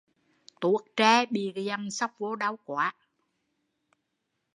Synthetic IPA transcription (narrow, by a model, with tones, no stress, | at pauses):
t̪u˨˩˦ək̚t͡ɕɛː˧˩ɓi˨˩kza˧˩ŋsa˦˥wk͡p̚vo˨˦ɗa˨˦wkwa̰ː˨˦